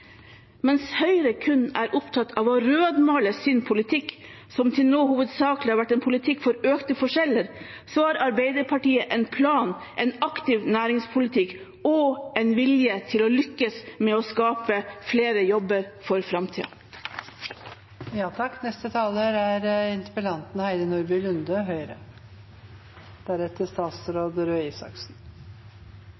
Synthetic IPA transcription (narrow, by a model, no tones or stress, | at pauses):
mɛnshœʏɾəkʰʉnːæːɾʔʊpt̪ʰɑt̪ːʰɑʋɔɾøːd̪mɑːləsɪnpʰʊlɪt̪ʰɪkː | sɔmt̪ʰɪlnoːhuːʋəd̪sɑːklɪɑɾʋæʈːɛnpʰʊlɪt̪ʰɪkːfɔɾøːkt̪əfɔʂɛlːəɾ | soːhɑːɾɑɾbeɪd̪əɾpʰɑʈiːəʔɛɪnpʰlɑːn | ʔɛnɑkt̪ɪʋnæːɾɪŋspʰʊlɪt̪ʰɪk | ɔɛnʋɪljət̪ʰɪlɔlʏkːəsmɛɔskɑːpəfleːɾəjɔbːəɾfɔɾfɾɑmt̪ʰḭːɑ̰ | jɑːt̪ʰɑkːnɛst̪ət̪ʰɑːləɾæɾɪnt̪ə̥pəlɑnt̪n̩hæɪd̪ənuɾbɪlʉnd̪əɦœʏɾə̰ | d̪̥æɾɛt̪ːəst̪ɑːt̪sɾoːd̪ɾøːiːsɑ̰ksn̩